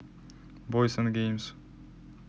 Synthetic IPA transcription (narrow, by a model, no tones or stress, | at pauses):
bojsənɡʲejms